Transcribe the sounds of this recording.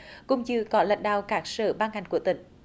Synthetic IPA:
kʊ̰˧˥wŋ͡mt͡ɕɨ˧kɔ˨˦la̰˧˨jŋ̟ɗa̰ː˧˨wkaː˦˥k̚səː˧˩ɓaː˧ŋha˨˩jŋ̟ku˧˩ət̪ï˧˩ŋ̟

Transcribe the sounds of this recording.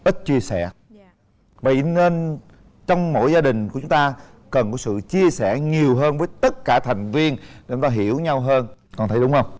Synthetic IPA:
ʔi˦˥t̚t͡ɕi˧əsɛ˧˩ | və̰˧˨˩ne˧n | t͡ɕɔ˧wŋ͡mmo̰˧˥jzaː˧ɗï˨˩ŋ̟ku˧˩t͡ɕʊ˨˦ŋ͡mt̪aː˧ | kə˨˩nkɔ˨˦sɨ̰˧˨t͡ɕi˧əsɛ˧˩ɲi˨˩əwɦəː˧nvəː˨˦jt̪ə˦˥t̚kaː˧˩t̪ʰa˨˩jŋ̟vi˧ənɗe˨˩˧ŋ͡mt̪aː˧ɦi˧˩˥əwɲa˧wɦəː˧nkɔ˨˩nt̪ʰə˧˩jɗʊ˨˦ŋ͡mhə˧wŋ͡m

